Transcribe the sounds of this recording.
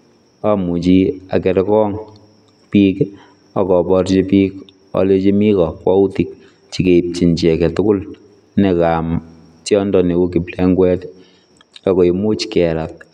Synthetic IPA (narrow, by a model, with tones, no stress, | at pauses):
a˦mu˨t͡ʃi˦a˨kɛ˨ɾɛkɔ˦ŋ | pi˦k | ɔ˨kɔ˨bɔ˧ɾt͡ʃi˦piːk | ɔ̰˨le˦t͡ʃi˦mi˦kɔ˨kwa˦u˦ti˨k̚ | t͡ʃi˨ke˨i˨p̚t͡ʃi˨nt͡ʃɛ˨kɛ˨tʊ˦kʊ˦l | ne˨kam | tjɔ˦ndɔ˦ne˨wo˦k̬i˨plɛ˦ŋɡwɛ˦t | a˦ko˨i˨mʊ˦t͡ʃkɛ˨ɾa˨k̚